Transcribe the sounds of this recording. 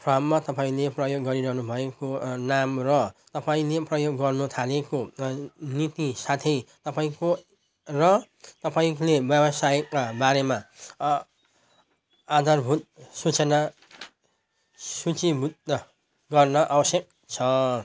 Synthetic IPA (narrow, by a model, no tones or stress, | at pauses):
pʰramːat̪ʌpaĩleprʌjoɡːʌɾiɾʌɦnubʱʌekonamrʌt̪ʌpaĩleprʌjoɡːʌrnut̪ʰaleko | nit̪isat̪ʰʌjt̪ʌpaĩko | rʌ | t̪ʌpaĩlebjʌbʌsajkːabaɾema | ad̪ʱarbʱut̪̚sut͡sʌna | sut͡sibud̪ʌ | ɡʌrnʌʔabʌsjek̚ | t͡sʰʌ